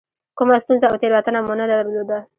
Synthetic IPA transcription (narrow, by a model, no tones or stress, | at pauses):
kumast̪unzaawt̪eɾwat̪ənamunad̪aɾlod̪a